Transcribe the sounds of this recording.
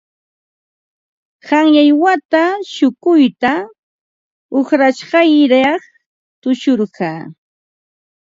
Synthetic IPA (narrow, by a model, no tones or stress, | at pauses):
hɑŋjajwat̪aʃʊkʊjt̪a | oχɾaʃɢɑjɾɑχ | t̪ʊʃʊɾɢɑː